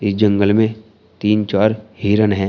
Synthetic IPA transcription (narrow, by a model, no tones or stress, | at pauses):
ɪsd͡ʒə̃ŋɡəlmẽ | t̪iːnt͡ʃaːɾhiːɾənɦɛ̃ː